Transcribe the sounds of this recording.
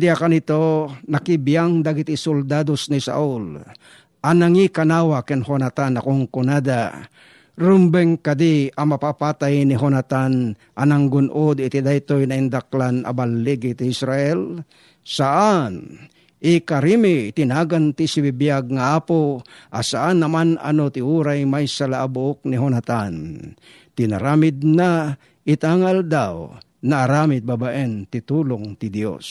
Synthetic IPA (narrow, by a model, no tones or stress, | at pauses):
d̪iakanit̪onakibijaŋd̪aɡɪt̪ɪsʊld̪ad̪osnɪsa̰ʔʊl | ʔanaŋikanawakɪnhonat̪anakoŋkʊnad̪a | ɾʊmbɛŋkad̪iamapapat̪ajnɪɦonat̪an | ʔanaŋɡʊnʔod̪ɪt̪id̪ajt̪ojnaɪnd̪ak̚lana̰balːiɡit̪ɪɪsɾaʔɛl | saʔan | ʔikaɾimɪt̪ɪnaːɡant̪isibibijaɡ̚ŋaaːpoʔasaʔanːamana̰not̪ɪuɾajmajsalaʔabʊok̚nɪɦonat̪an | t̪ɪna̰ɾaːmɪd̪̚na | ɪt̪aŋaald̪aw | naʔːɾaːmɪt̪̚babaʔɛnt̪ɪt̪uːloŋt̪ɪd̪jo̰s